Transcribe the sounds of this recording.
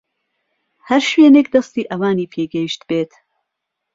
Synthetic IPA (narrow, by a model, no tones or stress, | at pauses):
hɐɾʃweːnekd̪ɐst̪iːʔɐwaːniːpʰeːɡɛjiʃt̪beːt̪